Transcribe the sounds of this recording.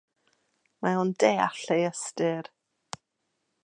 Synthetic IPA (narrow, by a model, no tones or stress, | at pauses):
maɔndeːa̰ɬejəstɨr